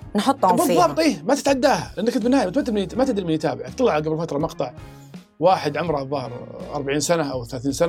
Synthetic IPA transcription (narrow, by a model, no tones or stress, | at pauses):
nħʊt̪ˤːhmbɨððˤːɑːbt̪ˤʔiːmat̪ɪ̥t̪ʕad̪ːaːha̰lʔanːkʊnt̪bɪnːhaːjmʊt̪mat̪ːɪlmɪnt̪mat̪ɪd̪ɾimɪnjɪt̪aːbɪʕat̪ːˤɑlːɑʕɡabɾfat̪ɾˤɑmɑqt̪ˤɑʕ | waːħɪd̪ʕʊmɾˤɑðˤːɑhɾʔɑ̰ɾˤbaʕiːnsanaʔawθalaːθiːnsana